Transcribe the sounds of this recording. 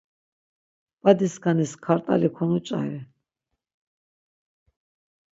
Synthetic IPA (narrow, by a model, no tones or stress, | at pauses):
b̥ad̪iskʰaniskʰaɾt̪ʼa̰likʰɔnut͡ʃʼa̰ɾɛ